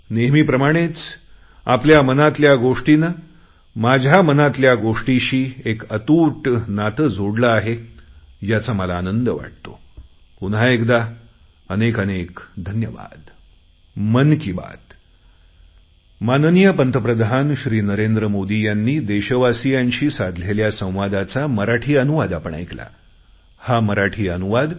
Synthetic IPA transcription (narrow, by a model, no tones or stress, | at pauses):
neɦmiːpɾəmaɽ̃et͡s | a̰pljamənat̪ljaɡoʂʈinə | mad͡ʑʱamənat̪ljaɡoʂʈiɕiːekət̪uːʈnat̪əd͡zoɽləaɦe | jat͡saməlaːnənd̪əʋa̰ʈ̚t̪o | punɦaekd̪a | ənekənekd̪ʱənjəʋa̰d̪ | mənkiːba̰d̪ | mannijəpənt̪ʰəpɾəd̪ʱanɕɾiːnəɾend̪ɾəmod̪ijanːiːd̪eɕəʋasijaɲɕiːsad̪ʱleljasə̃w̃ʋad̪at͡saməɾaʈʰiːənuʋad̪apəɳa̰jkla̰ | haməɾaʈʰiːənuʋad̪